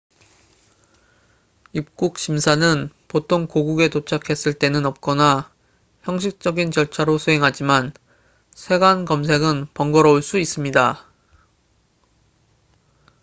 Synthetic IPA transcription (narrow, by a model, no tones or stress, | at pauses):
ip̚k͈uk̚ɕ͈ʰimsʰanɯnpotʰoŋkoɡuɡe̞tot͡ɕʰakʰe̞s͈ɯɭt͈e̞nɯnʌp̚k͈ʌna | çjʌŋɕ̬ʰik̚t͡ɕ͈ʌɡint͡ɕʌɭt͡ɕʰaɾosʰuɦe̞ŋɦad͡ʑiman | sʰe̞ɡankʌms̬ʰe̞ɡɯnpʌŋɡʌɾʌoɭs͈uis͈ɯmɲida